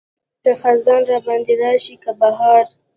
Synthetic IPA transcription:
kəxazɑnɾɑbɑnd̪eɾɑʃikabaɦɑɾ

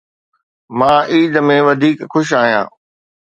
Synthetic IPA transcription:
mãːʔiːd̪mẽʋɐd̪ʱiːkxʊʃ̬aːɦijã̰ː

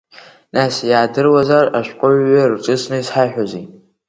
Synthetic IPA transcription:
nasjaːdɨrwazaraʃʷᶣqʷʼʊɥʷːarʈ͡ʂʼɨsnɨisħaħᶣʷozi

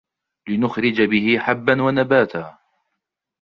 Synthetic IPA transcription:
lɪnʊxɾɪd͡ʒabɪhɪħabːanwanabaːt̪ʰaː

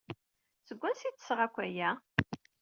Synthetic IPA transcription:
θəɡʷːænsit͡sːə̥sʁækʷːæjæ

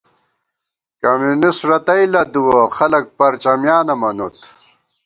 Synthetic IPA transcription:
kɐmjunisʈɾɐt̪ɐjlɐd̪uwɐxɐlɐk̚pɐɾt͡ɕɐmjaːnɐmɐnut̪

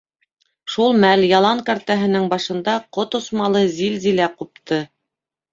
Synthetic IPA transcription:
ʃulˠmæljɑlˠɑŋkɑɾt̪æɦɘ̆nɘŋbɑʃɤ̆nd̪ɑqot̪ŏsmɑlˠɤzilzilæqup̚t̪ʰɤ

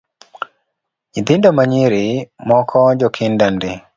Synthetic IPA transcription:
ɲit̪ɪndomaɲiɾimɔkʰɔd͡ʒɔkʰɪndandɪ

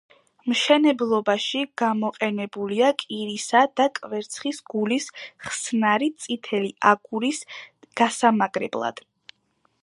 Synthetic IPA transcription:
mʃɛnɛblˠɔbaʃiɡ̥amɔqʼɛnɛbuliakʼiɾisad̪̥akʼvɛɾt̪sʰχisɡulisχsnaɾit̪sʼit̪ʰɛliaɡuɾisɡ̥asamaɡɾɛ̰blˠa̰d̪̥

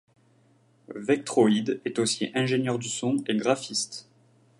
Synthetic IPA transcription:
vɛk̚t̪χoid̪ɛt̪osiʔɛ̃ʒenjœʁd̪ysɔ̃eɡʁafist̪

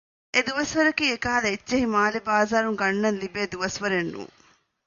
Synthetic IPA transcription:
ed̪uʋɐsʋɐɾɐkiekaːlɐet͡ʃːɐɦimaːlebaːzaːɾumɡɐɳːɐnlibed̪uʋɐsʋɐɾenːṵ

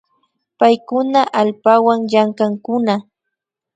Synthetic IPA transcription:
pajkʊnaʔalpawaŋjaŋkaŋkʊna

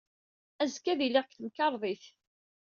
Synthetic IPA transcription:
æzkːæðiliʁkθəmkɑɾˤðˤiθ

